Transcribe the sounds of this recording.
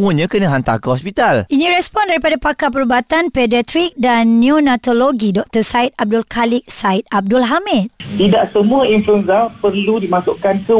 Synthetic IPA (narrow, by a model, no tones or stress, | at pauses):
mũəɲãkənãɦant̪a̰kahɔspit̪alʔinĩɾɛspɔndaɾipadapakap̬əɾubat̪anpɛdiat̪ɾik̚danːionat̪oloɡidɔk̚t̪əsait̪̚ab̚dʊlkʰalɪk̚saɪt̪̚ab̚dʊlɦamit̪̚t̪idaʔsəmũainfluɛnzapəɾludimasʊʔkansə